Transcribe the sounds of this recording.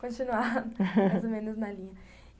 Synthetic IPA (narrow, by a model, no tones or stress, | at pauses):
kõt͡ʃinuaajzomẽnʊznɐlĩɲɐ